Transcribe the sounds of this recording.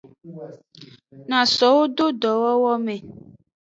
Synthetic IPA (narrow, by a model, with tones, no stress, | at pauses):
nã˨sɔ˨wo˦do˦ɖ̪ɔ˨wɔ˦wɔ˦mẽ˨